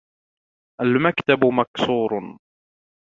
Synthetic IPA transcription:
ʔalmakt̪abmaksuːɾ

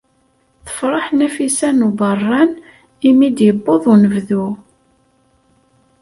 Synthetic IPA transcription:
θə̥fɾˤɑħnæfisænubɑrˤːɑn | imid̪jəbːoðˤunəvðu

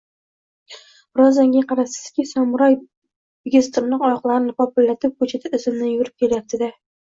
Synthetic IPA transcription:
ɾɒzaŋɡʲaqʰɑɾasɪ̥z̥kʲɪsɒmʊɾaj | bɪɡʲest̪ɪɾnɪŋɒjɒqlˠaɾɪnɪqɒpɪlːat̪ʰɪp̚kot͡ʃʰɪt̪ʰaɪzɪmnɪjʊɾɪp̚kʲʰe̞ljap̚t̪ʰɪd̪a

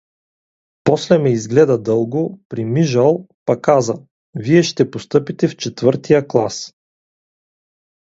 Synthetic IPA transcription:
pɔslɛmɛizɡlɛd̪ɐd̪ɤlˠɡopɾimiʒɐlˠpɐkazə | viɛʃt̪ɛpost̪ɤpit̪ɛft͡ʃɛt̪vɤɾt̪ijəklˠa̰s

